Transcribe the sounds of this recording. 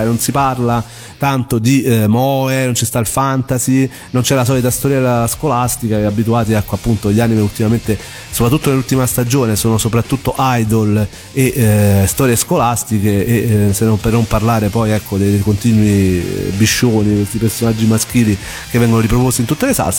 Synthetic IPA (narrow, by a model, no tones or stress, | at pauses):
nonsiparla | t̪ant̪od̪imɔenont͡ʃist̪ailfant̪azi | nont͡ʃɛlas̬ɔːlit̪ast̪ɔɾjalaskolast̪ikaabːit̪uaːt̪iakːoapːunt̪oʎːaːnimeult̪imament̪e | sopɾat̪ːut̪ːonelːult̪imast̪ad͡ʒoːnesoːnosopɾat̪ːut̪ːoʔajd̪ol | eʔst̪ɔːɾjeskolast̪ikeesenːompernomparlaːɾepɔjɛkʰːod̪ekont̪iːnwibiʃːoːnikwest̪ipersonad͡ʒːimask̟iːli | kevːɛŋɡonoɾipɾopost̪ːint̪ut̪ːelesa̰ls